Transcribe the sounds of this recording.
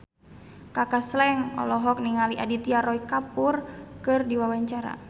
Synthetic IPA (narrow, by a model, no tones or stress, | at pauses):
kakaslɛŋɔ̰lɔɦɔk̚niŋaliʔadit̪iaɾɔikapʊrkɨrdiwawaɲt͡ʃaɾa̰